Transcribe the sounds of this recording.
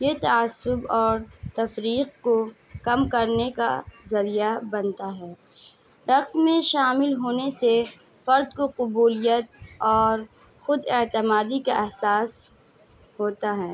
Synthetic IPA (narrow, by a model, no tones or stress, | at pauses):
jet̪aaːsːʊbɔːɾt̪ɐfɾiːq̚ko | kɐmkɐɾneka̰zɐɾijabɐnt̪aɦɛː | ɾɐqsmẽʃaːmɪlɦoːnese | fɐɾd̪̚koqʊbuːlijət̪̚ɔːɾ | xʊd̪ɪt̪əmaːd̪ikaʔɛɦsaːs | ɦoːt̪aɦɛː